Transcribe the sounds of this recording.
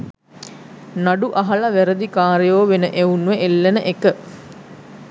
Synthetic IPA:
naɖuʔɐɦɐlɐʋæɾəd̪ikaːɾejoːʋenəʔeunʋeʔelːenəʔekə

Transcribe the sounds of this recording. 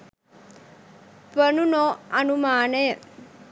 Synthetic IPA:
pɐnunoɐnumaːnɐj

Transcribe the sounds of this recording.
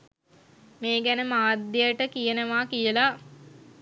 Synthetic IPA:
meːɡænəmaːd̪ːejəʈəkijənəʋaːkijəla

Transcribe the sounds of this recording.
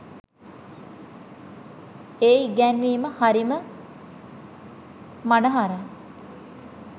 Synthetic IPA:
eːɡænʋiːməhaɾimə | manəɦaɾa

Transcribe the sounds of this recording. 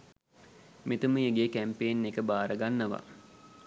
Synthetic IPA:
met̪uməeɡeːkæmpeːnːekəbaːɾəɡanːəʋa̰

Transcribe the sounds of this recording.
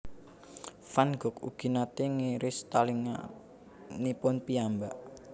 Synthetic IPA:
fanɡ̥ʊ̤kṵɡ̥i̤nat̪eŋeɾɪst̪aliŋa̰ | nipʊnpiambaʔ

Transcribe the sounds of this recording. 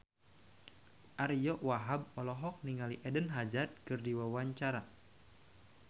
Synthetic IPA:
ʔarijɔʔwaɦab̚ɔlɔɦɔk̚niŋaliʔɛdənɦad͡ʒat̪̚kɨrdiwawaɲt͡ʃaɾa

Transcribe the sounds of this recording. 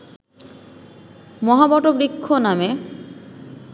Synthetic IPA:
mɔɦabɔʈobɾikʰːoname

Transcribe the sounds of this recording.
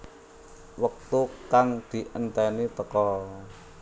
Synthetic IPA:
wək̚t̪ukaŋd̪̥i̤ʔənt̪ɛnit̪əkɔ

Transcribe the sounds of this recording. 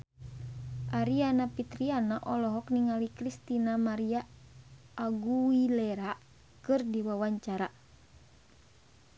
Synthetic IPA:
ʔaɾianapit̪ɾianaʔɔlɔɦɔkniŋalikɾist̪inamaɾiaː | ɡuwilɛɾa | kɨrdiwawaɲt͡ʃaɾa

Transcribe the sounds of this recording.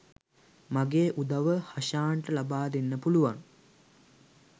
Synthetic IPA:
maɡeːʔud̪aʋəhaʃaːɳʈəlabaːd̪enːəpuluʋaŋ

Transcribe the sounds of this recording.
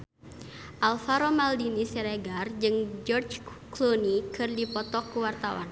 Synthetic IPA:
ʔalfaɾomaldinisɛɾeɡard͡ʒɨŋd͡ʒɔrt͡ʃklonikɨrdipɔt̪ɔkːuwart̪awa̰n

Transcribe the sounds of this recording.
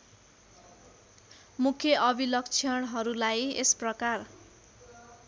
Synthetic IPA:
mukʰjʌʔʌbilʌk̚t͡sʰijʌɽ̃ɦʌɾulajesprʌkar

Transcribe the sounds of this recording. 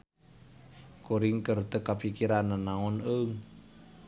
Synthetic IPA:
koɾiŋkərt̪əkːapikiɾananaŋɔnəŋ

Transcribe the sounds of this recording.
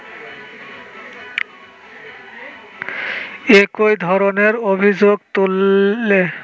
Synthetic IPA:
ekojd̪ʱɔɾoneɾobʱid͡ʑoɡt̪ulːe

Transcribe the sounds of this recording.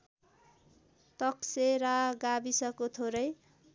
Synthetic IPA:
t̪ʌkseɾaɡabisʌkot̪ʰoɾʌj

